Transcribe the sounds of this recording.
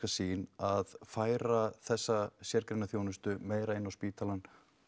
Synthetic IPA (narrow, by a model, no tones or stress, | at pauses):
kasiːnaðfaːjɾaθɛsːasjɛɾkɾejnaθjoːwnʏst̪ʏmeːjɾaɪnːawspiːt̪ʰalan